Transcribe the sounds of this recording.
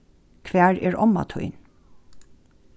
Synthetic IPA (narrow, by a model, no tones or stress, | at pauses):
kʰʋæːɹɛːɹʔɔma̰t̪ʰɔ̰ʏn